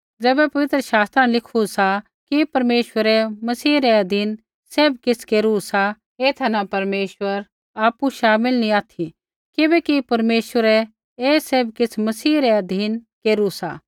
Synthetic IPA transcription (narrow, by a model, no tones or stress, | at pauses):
d͡zɛːbɛpɐʋɪt̪ɾəʃaːst̪ɾãlɪkʰusa | kipɐɾmeːʃwəɾɛmɐsiːɾɛɐd̪ʱiːn | seːbkɪskeːɾusa | eːt̪ʰɛnapɐɾmeːʃʋəɾ | aːpuʃaːmɪlnĩaːt̪ʰi | kɪbɛkipɐɾmeːʃwəɾɛ | eːsebkɪt͡sʰmɐsiːɾɛɐd̪ʱiːnkeːɾusaː